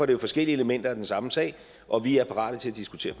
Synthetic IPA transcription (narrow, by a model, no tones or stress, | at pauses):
ɒɐd̥ɾe̝jo̝fɒ̽sɡ̥el̰ieləmen̰d̥ɐæd̥ensɑ̈məsɛ̰ːɪ | ʔɒ̽ʋiæɐpʰɑ̈ʁɑ̰̈ːɾ̥ət͡sʰe̝læd̥isɡ̥ut͡sʰe̝̰ːɐpʰ